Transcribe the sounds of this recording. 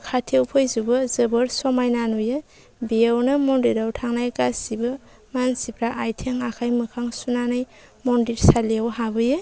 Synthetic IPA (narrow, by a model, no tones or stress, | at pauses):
kʰatʰewpʰojzubɯzɯbɯɾsɔmajnanujɯ | biawnɯmɔndiɾawtʰaŋnajkasibɯ | mansipʰɾaʔajtʰeŋakʰajmɯkʰaŋsunanaj | mɔndiɾsaleawɦabɯjɯ